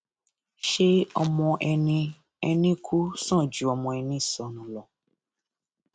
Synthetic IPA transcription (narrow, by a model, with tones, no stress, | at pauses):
ʃe˦ɔ˧mɔ̃˧ʔɛ˧nĩ˧ | ɛ˧nĩ˦kʰu˦sã˦˨d͡ʒu˨˦ɔ˧mɔ̃˧ɛ˧nĩ˦i˦˨sɔ̃˨˦nũ˨˦lɔ˨